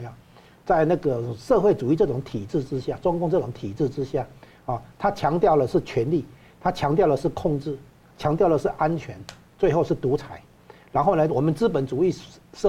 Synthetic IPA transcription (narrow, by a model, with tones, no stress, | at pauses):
t͡sa˥˧ɪna˥˩ɡə˩ʂɤ˥˧xwe˥˩ɪʈ͡ʂu˨˩i˥˧ʈ͡ʂɤ˥˩ʈ͡ʂʊ˨˧˥ŋt̪ʰi˨˩ʈ͡ʂɻ̩˥˩ʈ͡ʂɻ̩˥ɕja˥˩ʈ͡ʂʊ˥ŋkʊ˥˧ŋʈ͡ʂɤ˥˩ʈ͡ʂʊ˨˧˥ŋt̪ʰi˨˩ʈ͡ʂɻ̩˥˩ʈ͡ʂɻ̩˥ɕja˥˩ | a˨˩t̪ʰa˥t͡ɕʰjɑ˧˥ŋt̪jɑ˥˩ʊlə˩ʂɻ̩˥˩t͡ɕʰɥɛ˧˥nli˥˩ | t̪ʰa˥t͡ɕʰjɑ˧˥ŋt̪jɑ˥˩ʊlə˩ʂ̩˥˩kʰʊ˥˧ŋʈ͡ʂɻ̩˥˩ | t͡ɕʰjɑ˧˥ŋt̪jɑ˥˩ʊlə˩ʂɻ̩˥˩ʔa˥nt͡ɕʰɥɛ˧˥n | t͡swe˥˧ɪxo˥˧ʊʂɻ̩˥˩t̪u˧˥t͡sʰa˨˩˦ɪ | ɻa˧˥nxo˥˩ʊnə˧˦wɔ˨˩mə˦nt͡sɹ̩˥pə˨˩nt͡su˨˩i˥˩ʂ